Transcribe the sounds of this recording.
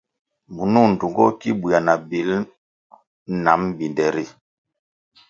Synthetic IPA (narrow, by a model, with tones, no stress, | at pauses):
mu˨nu˦˨n̩˨du˨ŋɡɔ˦ki˦bu˨ja˨na˨bi˨˦l | na˨˦mbi˨ndɛ˨ɾi˦˨